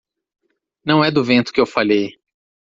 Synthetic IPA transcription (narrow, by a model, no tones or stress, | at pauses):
nɐ̃w̃ɛd̪ʊvẽnt̪ʊ̥kɪewfaʎej